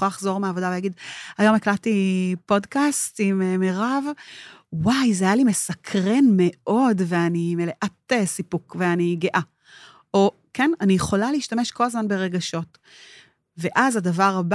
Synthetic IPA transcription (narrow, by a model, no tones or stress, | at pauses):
alaχzo̞ʁmeaːvo̞davejaɡidajo̞meklatipo̞dkastimemeʁav | wajzeajalime̞sɐkʰʁe̞nme̞ʔo̞dve̞animeleʔatesipukveaniɡeʔa | o | kenanijeχo̞laleiʃtameʃko̞lazmanbe̞ʁe̞ɡaʃo̞t | ve̞ʔazadavaʁaba